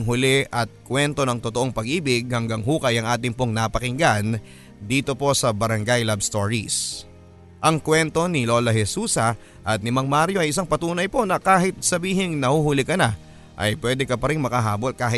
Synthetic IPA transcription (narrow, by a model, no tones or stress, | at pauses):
ŋɦʊlɛʔɐt̪̚kwɛnt̪o̞nɐŋt̪ot̪oʔo̞ŋpɐɡ̚ʔiːbɪɡ̚hɐŋɡaŋhuːkɐjɐŋʔaːt̪̬ɪŋpo̞ŋnɐpɐkɪŋɡan | d̪iːt̪o̞po̞sɐbɐɾɐŋɡajlabst̪o̞ɹḭs | ʔɐŋkwɛnt̪o̞nɪlo̞ːlɐɦɛsuːsɐ | ʔɐt̪̚nɪmɐŋmaɾjo̞ʔɐjʔɪs̬aŋpɐt̪uːnɐjpo̞nɐkaːɦɪt̪̚sɐbiːɦɪŋnɐhuhʊlɪkɐna | ʔɐ̰jpwɛːd̪ɛkɐpɐɾɪŋmɐkɐɦaːbo̞lkaːɦɪt̪